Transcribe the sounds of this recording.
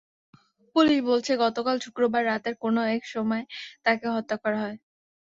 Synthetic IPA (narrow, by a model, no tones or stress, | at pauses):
puliʃbolt͡ɕʰeɡɔt̪okalʃukɾobaɾːat̪eɾkonoɛkʃɔmɔet̪akeɦɔt̪ːakaɾɦɔe